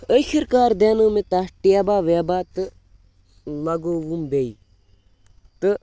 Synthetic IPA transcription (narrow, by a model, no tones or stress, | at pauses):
əʃiɾkaːɾd̪eːnuːmet̪aʈeːbaːʋeːbaːt̪ɨ | lɐɡoːʋumbei | t̪ɨ